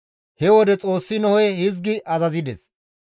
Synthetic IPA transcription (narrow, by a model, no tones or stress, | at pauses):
hɛwɔd̪ɛt͡sʼo̞ːsːɪnɔhɔjhɪzɡɪʔɐzɐzɪd̪ɛs